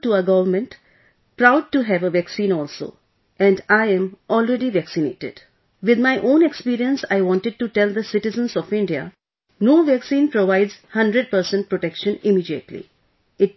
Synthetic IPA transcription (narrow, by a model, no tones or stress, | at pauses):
ʈuəɡʌʋəɾmə̃nʈ | pɾaʊɖ̚ʈuɦæʋəʋæksĩːnɔːlso̰ː | ʔɛ̃ɳɖaɪɛ̃mʔɔːlɾeɖiʋæksinḛːʈɪ̰ɖ | ʋɪd̪maɪʔõːnekspiːɾiə̃nsaɪʋɔ̃ːnʈɪɖ̚ʈuʈɛld̪əsɪʈɪzə̃nsɔfɪ̃ɳɖia̰ | noːʋæksĩːnpɾoʋaɪɖz̥hʌ̃ɳɖɾəɖ̚pəɾsɛ̃nʈ̚pɾoʈɛkʃə̃nɪmiːɖiəʈlḭ | ɪʈ̚